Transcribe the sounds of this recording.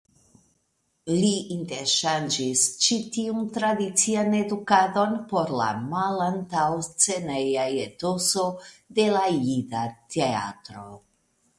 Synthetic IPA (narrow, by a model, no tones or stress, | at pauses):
liʔinteɾʃand͡ʒist͡ʃitiuntɾadit͡siane̞dukado̞npo̞ɾla̰malantawst͡se̞nejajeto̞sode̞lajidatea̰tɾo̞